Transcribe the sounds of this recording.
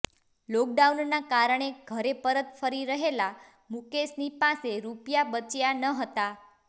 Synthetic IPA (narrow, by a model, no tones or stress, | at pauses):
lɔk̚ɖaunnakaɾəɳ̃eɡʱəɾepəɾət̪fəɾiɾəɦela | mukesnipaseɾupjabət͡ʃjanəɦət̪a